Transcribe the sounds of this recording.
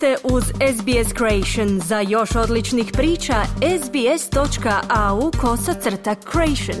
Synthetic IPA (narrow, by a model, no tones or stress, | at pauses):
t̪eʔuzezbieskɾoejʃonzajo̞ʃo̞d̪lit͡ʃnixpɾiːt͡ʃaezbiest̪o̞t͡ʃkaʔauko̞sat̪sr̩t̪akʰːɾoejʃon